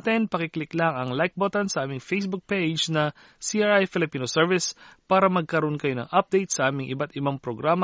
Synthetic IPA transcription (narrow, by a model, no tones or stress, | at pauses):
t̪ɪnpɐkɪklɪklɐŋɐŋlajk̚bot̪ɐnsɐʔaːmɪŋfejsbʊk̚pejd͡ʒnɐ | siʔaɹʔajfɪlɪpiːnosɛɹvɪspaːɾɐmɐɡ̚kɐɾoʔonkɐjo̞nɐ̰ŋʔap̚d̪ejt̪̚sɐʔaːmɪŋʔɪbat̪ɪbaŋpɾoɡɾaːm